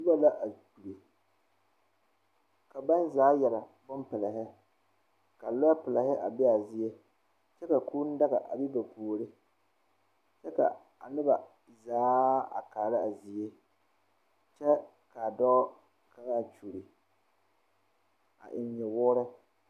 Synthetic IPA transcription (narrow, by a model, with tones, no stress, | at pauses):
sʊ˦ba˦la˦ʔa˨t͡ʃu˨ɾi˨ | ka˨ba˦n˦zaː˨˦jɛ˨la˨bʊ˦mpɪ˨la˨ɦɪ˦ | ka˨lʊ˦a˦pɪ˨la˨hɪ˦ʔa˨bɪ˦a˨zi˨e˦ | t͡ʃɛ˦ka˨kuː˦n̩˦da˦ɣa˨ʔa̰˨bi˦ba˨kuː˨ɾɪ˦ | t͡ʃɛ˦ka̰˨ | a̰˨nɪ˦ba˨ | zaː˨˦a̰˨kaː˨ɾɪ˦a˨zi˨je˦ | t͡ʃɛ˦ | ka˨dɔː˦ | ka˦ŋa˦a˨t͡ʃu˨ɾi˨ | a̰˨ʔɪ˨ɲɲɪ˨wʊː˦ɾɪ˦